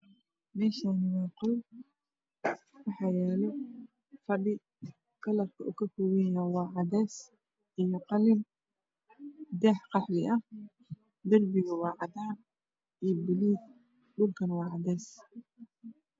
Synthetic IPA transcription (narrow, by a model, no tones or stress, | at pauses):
mɛːʃanɪwɑːqʊl | wɑħɑːjɛːlɔ | fɑɗɪ | kʰɐlɐrkʰɐʔʊkʰɐkʊwɪjawɑːʕɑd̪ɛːs | ʔɪjɔqɑlɪm | d̪ɛːħqɑħlɪʔɐ | d̪ɐrbɪɣɐwɑːʕɑd̪aːn | ʔijbɪliːd | ɗʊlkʰɐnwɑːʕɑd̪ɛːs